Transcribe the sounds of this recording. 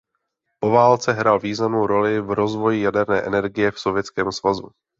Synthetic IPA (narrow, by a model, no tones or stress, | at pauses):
po̞vaːlt͡sɛɦɾalviːznamnowɾo̞lɪvɾo̞zvo̞jɪjadɛɾnɛːʔɛnɛɾɡɪjɛfso̞vjɛt͡skɛːmsvazu